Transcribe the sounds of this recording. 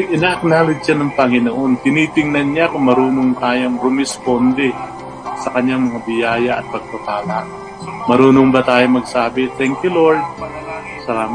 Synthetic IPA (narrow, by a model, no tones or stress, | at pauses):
ʔɪnaːʔɐk̚naːlɪd̪t͡ʃanɐŋpɐŋɪnoːʔont̪ɪniːt̪ɪŋnɐnɲakʊŋmɐɾuːnoŋt̪aːjoŋɾʊmɪspond̪ɛ | sɐkɐɲːaŋmɐŋabɪjaːjaʔɐ̰t̪̚pɐɡ̚t̪ɐp̪aːlaʔ | mɐɾuːnoŋbɐt̪aːjomɐɡ̚saːbɪt̪ɛŋkjʊloɹd̪̚ | sɐlaːma